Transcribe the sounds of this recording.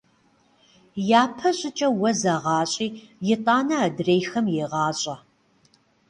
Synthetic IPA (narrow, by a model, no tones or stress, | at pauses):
jaːpʰɐɕʼɪt͡ʃʼɐwɐzaʁɑːɕʼiːjɪtʼɑːnɐːdreːjxɐmjeʁɑːɕʼɐ